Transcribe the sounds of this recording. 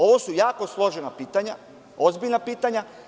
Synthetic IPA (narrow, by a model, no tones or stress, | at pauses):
o̞ʋosujaːko̞slˠo̞ʒenapiːt̪aɲa | ozbiʎnapiːt̪aɲa